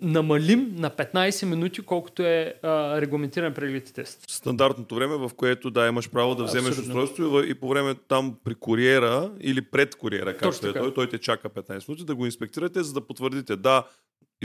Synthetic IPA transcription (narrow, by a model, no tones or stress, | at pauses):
nɐmɐlimnɐpɛt̪najsɛminut̪ikɔlˠko̥t̪oɛəɾɛɡlˠɐmɛnt̪iɾɐnɛpɾɛɡlʲit̪i̥t̪ɛsst̪ɐnd̪aɾt̪not̪ovɾɛmɛvɐfkoɛt̪od̪aimɐʃpɾavod̪ɐvzɛmɛʃust̪ɔjst̪voivipovɾɛmɛt̪ampɾikʊɾiɛɾəḭlipɾɛt̪kʊɾiɛ̰ɾɐkat̪ɛt̪ɔjt̪ɔjt̪ɛt͡ʃakəpɛt̪najsɛminut̪id̪ɐɡoinspɛk̚t̪iɾət̪ɛzɐd̪ɐpot̪vəɾd̪it̪ɛd̪a